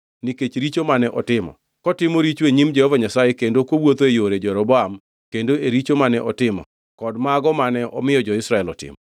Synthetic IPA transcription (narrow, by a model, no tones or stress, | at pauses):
niket͡ʃɾit͡ʃomanɛʔɔtɪmɔ̰ | kɔtɪmɔɾit͡ʃeɲimd͡ʒɛhɔvaɲasajekendokowot̪oejoɾed͡ʒɔɾɔbɔam | kendoeɾit͡ʃomanɛʔɔtɪmɔ̰ | kɔdmaɡɔmanɛɔmɪjɔd͡ʒɔɪsɾaɛlɔtɪ̰mɔ